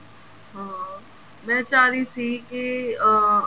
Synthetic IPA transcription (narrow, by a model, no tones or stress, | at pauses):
ɦãː | mɛ̃ːt͡ʃaːɾiːsiːke